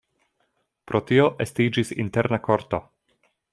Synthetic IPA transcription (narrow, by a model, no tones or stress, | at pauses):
pɾʔo̞tio̞ʔestid͡ʒisḭnte̞ɾnako̞ɾto̞